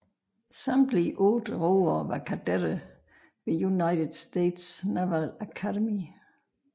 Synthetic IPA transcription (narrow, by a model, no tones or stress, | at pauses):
sɑmd̥liʔɔd̥əʁoːɐʋɑ̈kʰæd̥eɾ̥ə | ʋe̝junaɪɾed̥sd̥ed̥snæʋælækʰædemi